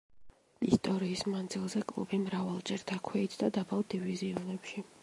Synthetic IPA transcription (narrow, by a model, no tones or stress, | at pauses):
ist̪ʼɔɾiːsmand̪zilˠzɛkʼlˠṵbimɾavalˠd͡ʒɛɾd̪akʰwɛit̪ʰd̪ad̪abald̪iviziɔnɛpʃi